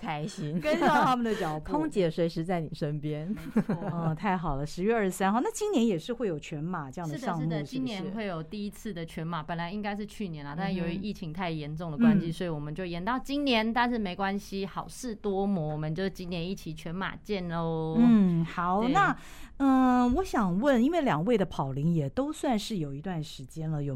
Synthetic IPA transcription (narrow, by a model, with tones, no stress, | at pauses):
kʰa˧˥ɪɕi˧˥nkə˥n˥˩t̪ʰa˥mə˨d̪ə˩t͡ɕjɑ˨˩ʊk̪ʰʊ˥ŋt͡ɕjɛ˧˥ʂwe˧˥ɪʂɻ̩˧˥t͡sa˥˩ɪni˨˩ʂə˦˥npjɛ˥n˧ | ɔ˩t̪ʰa˥˩ɪxɑ˨˩ʊlə˦ʂɻ̩˧˥ɥɛ˥ə˞˥˩sa˥nxɑ˥˩ʊna˥˩t͡ɕi˥ŋnjɛ˧˥njɛ˨˩ʂɻ̩˥˧xwe˥˩ɪjo˨˩ʊt͡ɕʰɥɛ˧˦˥nma˨˩˦ʈ͡ʂə˥˧jɑ˥˩ŋd̪̩˥˩˨ɑ˥˧ŋ̩˥mu˥˩˧ʂt͡ɕi˥nnjɛ˧˦nwe˥˩ɪjo˨˩ʊt̪i˥˩i˦˥t͡sʰɹ̩˥˩d̪ə˩t͡ɕʰɥɛ˧˥nma˨˩˦pə˨˩nla˧˦ɪi˧˥ŋka˥ɪʂɻ̩˥˧t͡ɕʰy˥˩njɛ˧˥nlɐ˨˦t̪a˥˧nʂjo˨˩ʊi˧ʔi˥˩t͡ɕʰi˧˥ŋt̪ʰa˥˩ɪjɛ˧˥nʈ͡ʂʊ˥˩ŋdə˩kwaa˦˥nɕi˧˥swɔ˧˥i˨˧˩wɔ˨˩mə˦nt͡ɕjo˥˩ʊjɛ˧˥nt̪ɑ˥˩ʊt͡ɕi˥nnjɛ˧˥nt̪a˥˧nʂ̬ɻ̩˥˩me˧˥ɪkwa˥nɕi˦xɑ˨˩ʊʂɻ̩˥˩t̪wɔ˥mwɔ˧˥wɔ˨˩mə˨˦nt͡ɕjo˥˧ʊʂ̩˥˩t͡ɕi˥njɛ˧˥ni˥˩t͡ɕʰi˨˩t͡ɕʰɥɛ˧˥nma̰˨˩t͡ɕjɛ˥˧nlo˥˧˩ʊn̩˥˩xɑ˨˧˦ʊna˥˩ | ə˥˧wɔ˨˧˥ɕjɑ˨˩ŋwə˥˩ni˥nwe˥˩ɪljɑ˨˩ŋwe˥˩ɪd̪ə˩pʰɑ˨˩ʊli˧˥ŋjɛ˨˩t̪o˥ʊswa˥˧nʂɻ̩˥˩jo˨˩ʊi˧˥t̪wa˥˩nʂɻ̩˧˥t͡ɕjɛ˥nlə˨jo˨˩